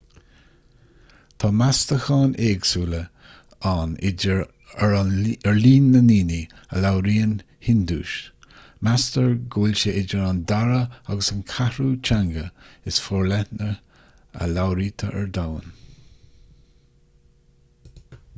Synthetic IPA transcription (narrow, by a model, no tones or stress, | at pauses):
t̪ʰɑːmast̪əxɑːnʔeːɡsuːlə | anɪ | əɹliːnːəniːni | ə̰lawɾiːən | hɪnd̪uːʃ | mastəɹɡuːlʲʃəʔɪd͡ʒəɹand̪aɾəaɡəsənkʰahɾuːt͡ʃʰaŋɡəɪsfɔɹlɛtnə | ə̰lawɾiːt̪ʰəʔə̰ɹd̪awə̰n